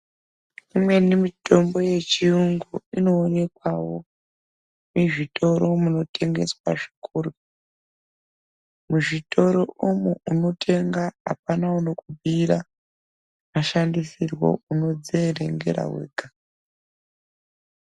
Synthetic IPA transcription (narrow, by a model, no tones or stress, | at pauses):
imwe̞nimitʰo̞mbo̞je̞t͡ʃiruŋɡuino̞ːne̞kwawo̞ | miʐitʰo̞ɾo̞muno̞tʰe̞ŋɡe̞̰swa̰ʐi̥kuːru | muʐitʰo̞ɾoumuuno̞tʰe̞ŋɡaa̰panauno̞kubʱiɾa | maʃandisirwo̞̰uno̞d͡zeɾe̞̰ŋɡe̞̰ɾa̰wḛːɡḁ